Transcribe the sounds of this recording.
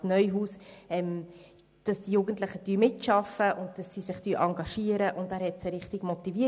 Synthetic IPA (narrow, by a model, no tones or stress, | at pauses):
nœʏɦuːsɛm | d̥ɑsd̥ijuɡəntlɪχəd̥yːmɪtʃɑfəʔʊntd̥ɑsːisɪχtyːʔɑŋɡɑʃiːəɾəʔʊndæːɾhɛtseɾɪχtɪɡ̥mɔtiviə